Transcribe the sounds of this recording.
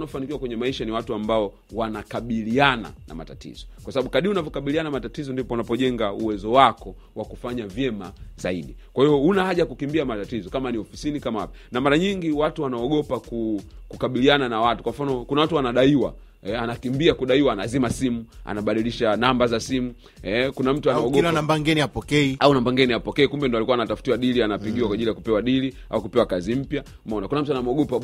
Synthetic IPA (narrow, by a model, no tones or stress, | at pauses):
nafanikiwakwɛɲɛmaiʃaniwatuambaɔ | wanakaɓiliana̰na̰ma̰tatḭzɔ̥kwasaɓaɓukaɗiunavɔkaɓilianaamatatizɔndipɔunapɔʄɛŋɡauwɛzɔwakɔ | wakufaɲavjɛma̰zaiɗikwahiɔunahaʄajkukimbiamatatizɔkamaniɔfisinikamaa̰panamaɾaɲiŋɡiwatuwanaɔɠɔpakukukaɓiliananawatukwam̩fanɔkunawatuwanaɗaiwa̰ | ɛanakimbiakuɗaiwanazimasimua̰naɓaɗiliʃanambazasimu | hɛkunam̩tuanɔɡɔanambaŋɡɛniapɔkɛiaunambaŋɡɛniapɔkɛikumbɛndɔalikuwanatafutiwaɗilianapiɠiwakwaʄilijakupɛwaɗili | a̰ukupɛwakazim̩pja | mɔnakunam̩tuanamuɔɠɔpa